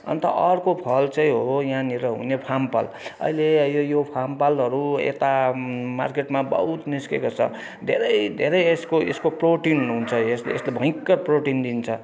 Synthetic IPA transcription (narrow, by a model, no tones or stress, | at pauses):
ʌ̰nt̪ʌʌrkopʰʌlt͡sʌĩɦojãniɾʌɦṵnepʰampa̰l | ʌ̰ilejojopʰampalɦʌɾuḛt̪ama̰rkeʈmabʌ̰ɦut̪niskḛkot͡sʰʌ̰ | d̪ʱeɾʌjd̪ʱeɾʌjeskoeskoproʈinuɦunt͡sʰʌesleeslebʱʌ̃ĩkːʌproʈind̪int͡sʰʌ